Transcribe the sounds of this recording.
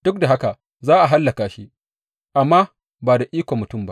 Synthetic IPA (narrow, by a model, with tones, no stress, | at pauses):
d̥ʊ˦k̚da˨ɦa˦ka˨ | zaː˦ʔa˨ɦa˦lːa˨kaː˨ʃi˦ʔ | ʔa˨mːaː˦ | baː˨da˨ʔiː˦kʷo˨mʊ˨tʊ˦˨mba̰˦ʔ